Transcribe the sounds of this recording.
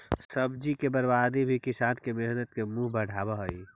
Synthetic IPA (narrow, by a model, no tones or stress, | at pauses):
səbd͡ʒikebəɾbaːd̪ibʱikɪsaːnkemeɦnət̪̚kemũɦbəɽ̤ʱaːbaɦoi